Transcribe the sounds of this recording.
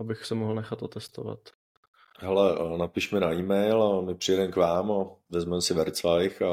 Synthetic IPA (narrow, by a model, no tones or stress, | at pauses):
ʔabɪxsɛmoɦl̩nɛxat̪ot̪ɛst̪ova̰t̪ | ɦɛlɛnapiʃmɛnaiːmɛjlamɪpr̝̥ɪjɛdɛmkvaːmavɛzmɛmsɪvɛɾt͡saɪxa